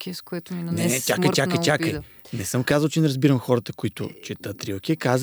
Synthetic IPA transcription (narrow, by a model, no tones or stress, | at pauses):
kiskʊɛt̪innɛtʲakəjʲakkəjt̪ʲakəj | nɛsɤmkazəlˠt͡ʃɛnɛɾɐzbiɾəmxɔɾɐt̪əkʊit̪ʊ̰t͡ʃɛt̪ət̪ɾilˠkʲiɛkaz